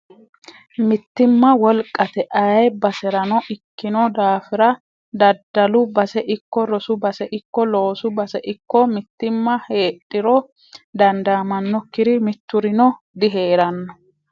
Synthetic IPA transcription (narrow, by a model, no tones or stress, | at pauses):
mɪt̪ːɪmːɐwɔlkʼːɐt̪ɛʔɐjjbɐsɛɾɐnɔʔɪkːɪnɔd̪aːfɪɾɐ | d̪ɐd̪ːɐlʊbɐsɛʔɪkːɔɾɔsʊbɐsɛʔɪkːɔlo̞ːsʊbɐsɛʔɪkːɔmɪt̪ːɪmːɐhe̞ːɗʼːɪɾɔ | d̪ɐnd̪amɐnːɔkːɪɾɪmɪt̪ːʊɾɪnɔ | d̪ɪɦe̞ːɾɐnːɔ